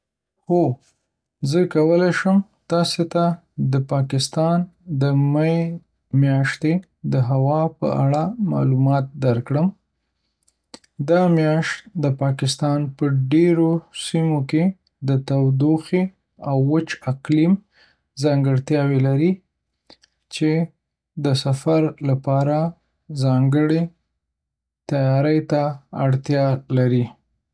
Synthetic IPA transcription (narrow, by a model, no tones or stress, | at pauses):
xo | zəkawəlajʃəm | t̪ɑset̪a | d̪əpɑkɪst̪ɑnd̪əma | mjɑʃt̪e | d̪əɦawɑpə̰ʔa̰ɽamɑ̰lumɑt̪̚d̪aɾkɽəm | d̪ɑmjɑʃt̪d̪əpɑkɪst̪ɑnpəɖeɾosimoke | d̪ət̪awd̪oxe | awːət͡ʃaqlim | zɑŋɡəɽt̪jɑwelaɾi | t͡ʃe | d̪əsafaɾlapɑɾa | zɑŋɡəɽe | t̪ajɑɾəjt̪aaɽt̪jɑlaɾi